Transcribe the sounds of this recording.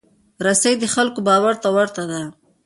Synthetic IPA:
ɾasajd̪əxalkobɑwaɾt̪awaɾt̪ad̪a

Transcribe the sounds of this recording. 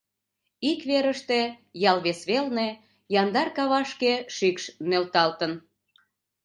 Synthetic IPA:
ikβeɾəʃt̪e̽jɑlβesβelne | jɑnd̪ɑrkɑβɑʃkeʃikʃnølt̪ɑlt̪ən

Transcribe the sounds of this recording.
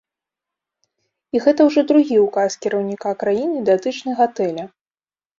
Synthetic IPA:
iɣɛt̪ɐwʐɔd̪ɾuɣʲiukaskʲiɾɐwnʲikakɾajinɨd̪at̪ɨt͡ʂnɐjɣat̪ɛlʲɐ

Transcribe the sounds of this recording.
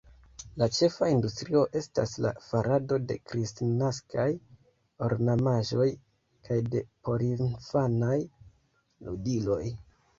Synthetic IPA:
lat͡ʃe̞faindustɾio̞ʔe̞sta̰sla̰faɾʔado̞de̞kɾistnaskʰaj | o̞ɾnamaʒo̞j | kʰajde̞po̞ɾinfanaj | ludilo̞j

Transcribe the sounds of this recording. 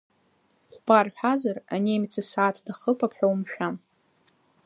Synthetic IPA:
χʷb̥arħʷᶣazaraneːmt͡sʰʼɨsaːtʰdaχəpʰʼapʰħʷᶣawmʃᶣam

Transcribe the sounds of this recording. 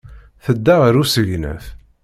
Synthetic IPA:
θəd̪ːæʁəɾusəʝnæ̰θ

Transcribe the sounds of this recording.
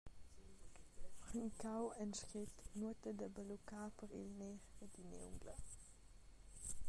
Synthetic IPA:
χəŋkawɛnʃkit̪nuət̪əd̪əbəlukaːpəʁḭlneʁəd̪inḛṵŋɡlə

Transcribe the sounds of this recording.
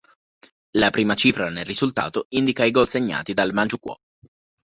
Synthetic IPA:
lapɾiːmat͡ʃiːfɾanelrizult̪a̰ːt̪oind̪ikaiɡɔlseɲːa̰ːt̪id̪almant͡ʃukwɔ̰

